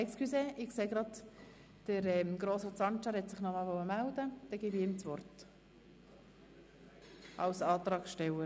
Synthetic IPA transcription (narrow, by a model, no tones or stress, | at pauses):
ɛkskʰyseːʔɪkseːɡ̥ɾɑd | d̥əɾɛmɡ̥ɾoːsət͡sɑnt͡ʃɑɾhɛtsɪχnɔmɑlʋɔəmældəd̥ɛɡiːbɪɪmt͡sʋɔrt | ʔɑ̰lsɑːt̪ɾɑːkʃtɛwə